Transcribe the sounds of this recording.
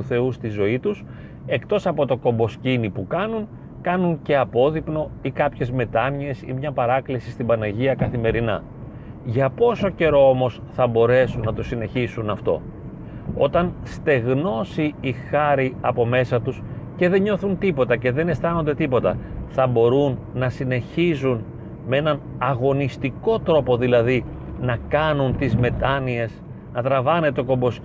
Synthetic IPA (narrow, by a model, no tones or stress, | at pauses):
uθe̞ust̪izo̞it̪us | e̞kt̪o̞sɐpo̞t̪o̞ko̞mbo̞scinipukɐnun | kɐnunce̞ɐpo̞ðipno̞ikɐpçe̞zme̞t̪ɐnie̞sḭmɲɐpɐɾɐklisi̥st̪ibɐnɐʝiɐkɐθime̞ɾinɐ̰ | ʝɐpo̞so̞ce̞ɾo̞omo̞sθɐbo̞ɾe̞sunːɐt̪o̞sine̞çisunɐft̪o̞̰ | o̞̰t̪ɐnst̪e̞ɣno̞siixɐɾiɐpo̞me̞sɐt̪usce̞ðe̞ɲo̞θunt̪ipo̞t̪ɐce̞ðe̞ne̞st̪ɐno̞nd̪e̞t̪ipo̞t̪ɐ̰θɐbo̞ɾunːɐsine̞çizun | mee̞nɐn | ɐɣo̞nist̪iko̞t̪ɾo̞po̞ðilɐði | nɐkɐnunt̪izme̞t̪ɐnie̞s | nɐt̪ɾɐvɐne̞t̪eo̞ko̞mbo̞s